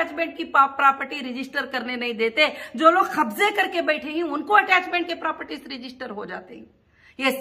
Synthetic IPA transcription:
t͡ʃmẽːɳʈ̚kipːpɾaːpəɾʈiɾɪd͡ʒɪsʈəɾkɐɾnenɐɦĩd̪eːt̪ed͡ʒoːloːɡxɐbzekɐɾkebɛːʈʰeɦɛ̃ʊnkoɐʈɛːt͡ʃmẽːɳʈ̚kepɾaːpəɾʈisɾɪd͡ʒɪsʈəɾɦod͡ʒa̰ːt̪ḛɦɛ̃ː | jes

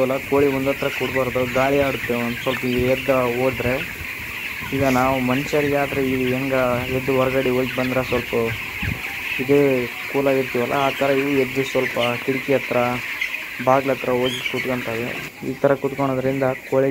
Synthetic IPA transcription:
ɐlːɐkoːɭiond̪ɐt̪ɾɐkuɽbaːɾɐd̪uɡaːɭiaːɽut̪ːensʋɐlpɐiɛd̪ɐoːd̪ɾe̞ | iːɡɐnaːʋumɐnt͡ʃɐɾiɡaːd̪ɾeiiɛŋɡɐed̪ːuʋɔɾɐɡɐɽioːlkbɐnd̪ɾasʋɐlpɐ | id̪eː | kuːlaːɡiɾt̪iʋɐlːʔɐ̰aːt̪ʰɐɾɐiʋued̪ːusʋɐlpɐkiɽikiɐt̪ɾɐ | baːɡlɐt̪ɾɐoːd͡ʒikut̪koɳt̪ɐʋḛ | ḭːt̪ʰɐɾɐkut̪koɳ̃oːd̪ɐɾind̪ɐkoːɭi

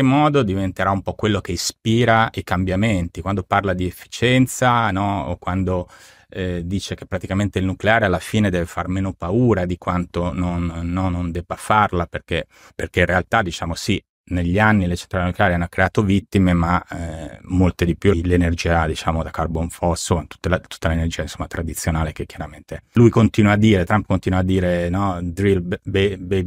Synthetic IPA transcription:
emːɔːd̪od̪ivent̪eɾaumpɔkwelːokeispiːɾaikambjament̪ikwand̪oparlad̪iefːi̥t͡ʃɛnt̪sanɔo̰kwand̪o | d̪iːt͡ʃek̟epːɾat̪ikament̪eilnukleaːɾealːafiːned̪ɛːvefarmeːnopauːɾad̪ikwant̪ononːɔnːond̪ɛbːafarlaperk̟e | perk̟einrealt̪ad̪it͡ʃaːmosi | neʎːanːilet͡ʃent̪ɾalenukleaɾeanːokɾeaːt̪ovit̪ːimema | molt̪ed̪ipjulenerd͡ʒiːad̪it͡ʃaːmod̪akarboɱfɔsːot̪u̥t̪ːelat̪u̥t̪ːalenerd͡ʒiːainsomːat̪ɾad̪it̪sːjonaːlekekːjaɾament̪elujkont̪iːnwad̪ːiːɾet̪ɾampkont̪inwad̪ːiːɾenɔd̪ɾilbbebe

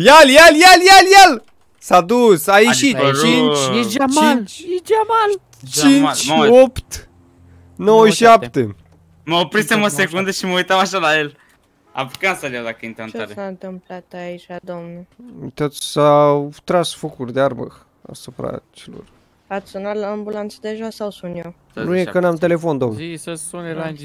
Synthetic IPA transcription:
jaljaljaljaljal | sad̪usajiʃit͡ʃint͡ʃamat͡ʃd͡ʒamal | t͡ʃĩnt͡ʃopt̪ | nowʃapt̪e | mɐopɾisɛmumɐsekũnd̪ɐʃimojt̪awaʃalael | a̰pukansalawd̪akəint̪ent͡ʃasaɨnt̪ɨmplat̪ait͡ʃad̪omnet̪ot̪ssawt̪ɾasfokurʲd̪earbə̰ | a̰supɾa̰t͡ʃelo̞̰r | at̪sʲsunat̪laambulant̪səd̪eʒasawsunjo | nujekənamt̪̬e̞le̞fo̞nd̪omsunea

